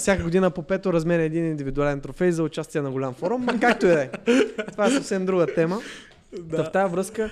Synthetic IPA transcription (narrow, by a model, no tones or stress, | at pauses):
sʲakəɡod̪inəpopɛt̪oɾɐzmɛɾʲɛɛd̪inind̪ivid̪ʊalɛnt̪ɾofɛjzɐʊt͡ʃast̪ʲiɛnɐɡolʲamfɔɾumkak̚t̪oɛɛt̪ovaɛsɐfsɛmd̪ɾuɡət̪ɛmə | d̪ɐft̪ajɐvɾɤskə